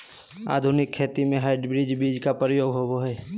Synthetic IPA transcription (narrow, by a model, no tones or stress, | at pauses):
a̰ːd̪ʱʊnɪkʰːeːt̪imẽɦaːɪɖbɾɪd͡ʒbiːd͡ʒkapɾəjoːɡʱɦoboɦɛː